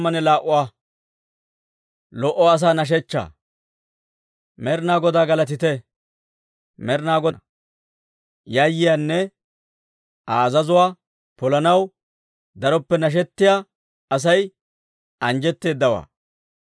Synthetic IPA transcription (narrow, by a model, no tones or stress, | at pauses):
mːɐnɛlaːʔʊwaː | lɔʔɔɐs̬aːnɐʃ̬ɛt͡ʃːa̰ː | mɛɾnaːɡɔd̪aːɡɐlɐt̪ɪt̪ɛ | mɛɾnaːɡɔ | jajːɪjaːnːɛ | aːzɐzʊwaː | pɔlɐnɐw | d̪ɐɾɔpːɛnɐʃ̬ɛt̪ːɪjaː | ɐs̬ɐj | ɐnd͡ʒɛt̪ːe̞ːd̪ːɐwa̰ː